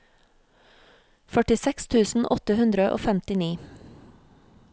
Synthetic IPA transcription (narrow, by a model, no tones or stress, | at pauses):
fœʈɪsɛkst̪ʰʉːsn̩ʔɔt̪əhʉnd̪ɾəʔo̰ːfɛmt̪ɪniː